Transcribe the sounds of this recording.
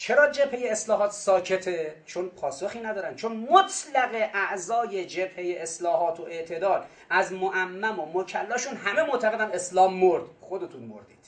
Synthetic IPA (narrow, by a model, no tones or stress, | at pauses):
t͡ʃʰe̞ɾɒːd͡ʒe̞bhe̞jeːslɒːɦɒːt̪sɒːcʰe̞t̪ʰet͡ʃʰonpʰɒːso̞xiːnæd̪ɒːɾænd̪̚t͡ʃʰonmot̪ʰlæɣe̞ʔæʔzɒːjed͡ʒe̞bhe̞jeʔeslɒːɦɒːt̪ʰoʔe̞ʔt̪ʰe̞d̪ɒːl | ʔæzmoʔæmːæmomocʰælːɒːʃunɦæmemoʔt̪ʰæɣe̞d̪æme̞slɒːmːoɾd̪̥xo̞d̪e̞t̪ʰunmo̰ɾd̪iːd̪̥